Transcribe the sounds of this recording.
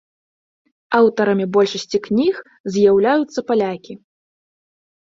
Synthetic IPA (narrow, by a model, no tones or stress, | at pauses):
awt̪ɐɾɐmʲibɔlʲʂɐsʲt͡sʲiknʲix | zʲjawlʲajut̪sːɐpalʲakʲi